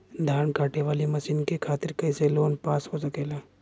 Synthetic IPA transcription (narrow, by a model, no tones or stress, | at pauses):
d̪ʱaːnkaːʈeʋaːlimɐʃiːnkekʰaːt̪ɪɾkɐɪseloːnpaːsɦosɐkeːlaː